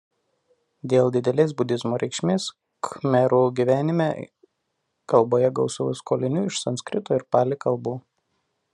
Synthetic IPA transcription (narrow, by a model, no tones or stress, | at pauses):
d̪ʲeːlˠd̪ʲɪd̪ʲɛlʲeːs̬bʊd̪ʲɪzmoːɾʲɛɪkʃʲmʲeːs | kmʲɛɾuːɡʲiːʋʲæːnʲɪmʲḛː | kɐlˠboːjɛɡɐʊsɐʋuskoːlʲɪnʲuːɪʃsɐnsʲkʲɾʲɪt̪oːɪɾpɑːlʲɪkɐlˠbuː